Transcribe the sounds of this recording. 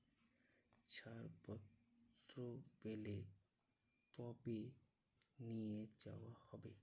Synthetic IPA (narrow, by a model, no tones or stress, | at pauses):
t͡ʃʰaɾpɔtɾobele | t̪ɔbi | nijed͡ʒa̰wahɔbe